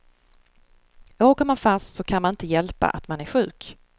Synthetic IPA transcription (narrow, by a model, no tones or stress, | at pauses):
oːkamanfast̪sɔkʰanmanɪnt̪əjɛlpa̰ʔat̪manæɾɧʉ̟ːk